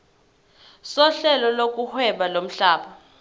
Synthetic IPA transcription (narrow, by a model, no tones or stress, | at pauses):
sɔɬɛlɔlok̬ʼuhwɛɓalom̩ɬaːɓa